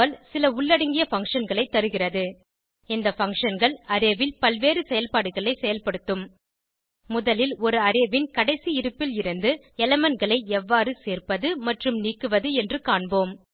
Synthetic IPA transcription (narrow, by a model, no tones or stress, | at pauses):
ɐlsɪlɐʊɭːɐɽɐŋɡɪjɐfɐŋkʂɐnɡɐɭɐɪt̪ːɐɾɯɣɪrɐðɯ | ɪnd̪ɐfɐŋkʂɐnɡɐɭɐɾɪʋɪlpɐlʋeːrɯsɛjɐlpaːɽɯɣɐɭɐɪsɛjɐlpɐɽɯt̪ːɯmː | ʊðɐlɪlɔɾɯɐɾɪʋɪnkɐɽɐɪsiɪɾɯpːɪlɪɾɯnd̪ɯ | ɛlɛmɐnɡɐɭɐɪɛʋːaːrɯseːrpɐðɯmɐʈrɯmniːkːɯʋɐðɯɛndrɯkaːɳboːm